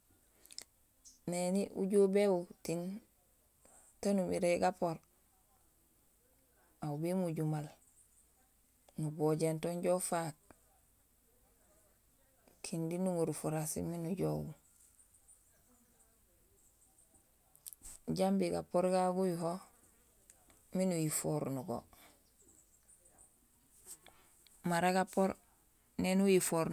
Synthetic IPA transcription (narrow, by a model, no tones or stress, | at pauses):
neniʔṵɟobeutin | tanumiɾeɡapoɾ | aubemuɟumal | nuboːɟentoɲɟofak̚ | kʰindinuŋuɾufuɾasḭminuɟoɡu | ɟambiɡa̰pːoɾɡabujuɦo | minujifoɾnuɡo̰ | maɾaɡapoɾ | nenujifoɾ